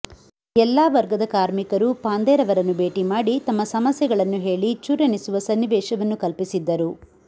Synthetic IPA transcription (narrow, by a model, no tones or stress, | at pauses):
ɛlːaːʋɐɾɡɐd̪ɐkaːɾmikɐɾupaːnd̪ɛːɾɐʋɐɾɐnːube̞ːʈimaːɽit̪ɐmːɐsɐmɐsjɐɡɐɭɐnːuɦe̞ːɭit͡ʃuːɾɐnisuʋɐsɐnːiʋɛːʃɐʋɐnːukɐlpisid̪ːɐɾu